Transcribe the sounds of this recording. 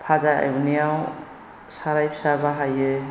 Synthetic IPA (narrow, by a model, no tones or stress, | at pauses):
pʰazaja̰junijaw | saɾajpʰi̥saɾbaɦajɯ